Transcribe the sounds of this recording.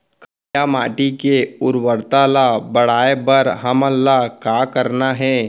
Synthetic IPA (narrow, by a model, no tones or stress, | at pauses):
kə | jamaːʈikeʊɾwəɾt̪alabɐɽ̤aːebəɾɦəməlːakakəɾnaɦɛː